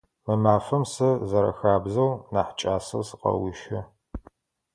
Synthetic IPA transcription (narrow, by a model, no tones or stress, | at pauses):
mɨmaːfɐmsɐzɐɾɐ̰xaːbzɐwnaːħt͡ʃʼaːsɐ̰sɨqɐ̰wiʃɪ